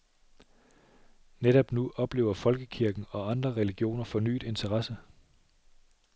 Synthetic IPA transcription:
neɾ̥ɒ̽b̥nuʔɒ̽b̥le̝ːʊ̰ɐfɒ̽lɡ̥əkʰiɐɡ̥n̩ɒ̽ɑ̈nd̥ʁɐʁɛliɡ̥jo̝̰ːnɐfɒ̽ny̰ːd̥e̝nt͡sʰɐʁɑsə

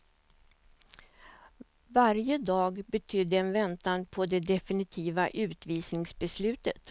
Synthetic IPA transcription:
vaɾjəd̪ɑːɡbɛt̪ʰʏd̪ːəɛnvɛnt̪anpʰɔd̪ɛd̪ɛfɪnɪt̪ʰiːvaʔʉ̟ːt̪viːsnɪŋsbɛslʉ̟ːt̪ət̪

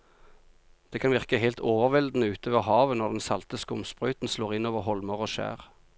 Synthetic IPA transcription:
d̪̥eːkʰɑnʋɪʁkəheɪlt̪ʰoːʋəʁʋɛld̪n̩əʉːt̪ʰoːʋəʁhɑːʋənɔʁd̪ɛnsɑlt̪əskʊmspʁœʏt̪n̩sloːʁɪnoːʋəʁhɔlməʁoːʃæ̰ːʁ

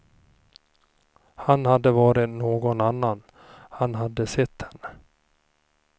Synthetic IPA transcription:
hanhad̪ːəvɑːɾɪnoːɡɔnanːan | hanɦad̪ːəsɛt̪ʰːhɛnːə

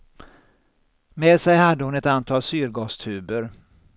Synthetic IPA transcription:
meːd̪sɛjhad̪ːəhʊnɛt̪ant̪ʰɑːlsyːɾɡɑːst̪ʰʉ̟ːbəɾ

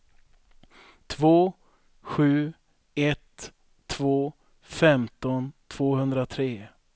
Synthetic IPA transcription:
t̪ʰvoː | ɧʉ̟ː | ɛt̪ʰː | voː | fɛmt̪ɔnt̪ʰv̥oːhɵnd̪ɾat̪ʰɾeː

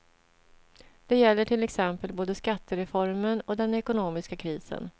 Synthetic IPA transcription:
d̪̥ɛjɛlːəʈʰɪlɛksɛmpəlboːd̪əskat̪ːəɾɛfɔɾmənɔd̪ɛnɛkʊnoːmɪskakʰɾiːsə̰n

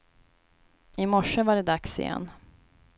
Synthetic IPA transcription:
ɪmɔʂːəvaɖɛd̪aksɪ̰jɛ̰nː

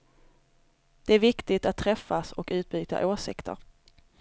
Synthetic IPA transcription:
d̪̥ɛæɾvɪkt̪ɪt̪at̪ʰːɾɛfːasɔkʉ̟ːt̪̚byːt̪a̰ʔoːʂɪkt̪ə̰ɾ

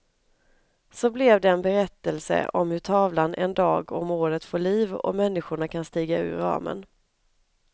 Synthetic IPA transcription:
sɔblɛvd̪ɛːnbɛɾɛt̪ːəlsə̰ʔɔmhɵʈʰɑːvlanʔɛnd̪ɑːɡɔmoːɾət̪foːɭiːvɔ̰mɛnːɪɧʊɳakʰanst̪iːɡaʉ̟̰ːɾɑ̰ːmə̰n

